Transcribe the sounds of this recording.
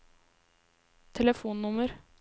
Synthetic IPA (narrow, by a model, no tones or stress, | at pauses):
t̪ʰɛləfuːnːʊməɾ